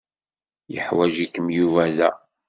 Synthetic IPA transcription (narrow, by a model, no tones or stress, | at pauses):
jə̰ħwæʒikːəmjuvæðæ